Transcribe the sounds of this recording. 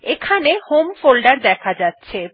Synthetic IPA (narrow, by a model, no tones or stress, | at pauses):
ekʰanehomfolɖaɾd̪ɛkʰad͡ʑatːɕʰe